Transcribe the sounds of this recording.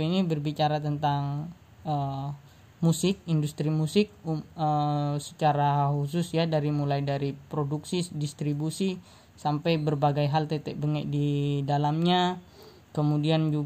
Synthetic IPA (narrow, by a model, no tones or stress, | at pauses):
inibərbit͡ʃaɾat̪ənt̪aŋ | ə | musɪk̚indust̪ɾimusɪk̚uəsə̥t͡ʃaɾahus̬ʊsjadaɾimulajdaɾipɾoduksidist̪ɾibusi | sampajbərbaɡajɦalt̪et̪ɛʔ̚bəŋɛʔ̚didalamɲa | kəmudiand͡ʒu